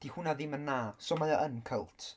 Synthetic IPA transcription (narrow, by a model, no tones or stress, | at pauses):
d̥ihʊnaðɪmənːasɔmajaʔənkʰəlˠtʰ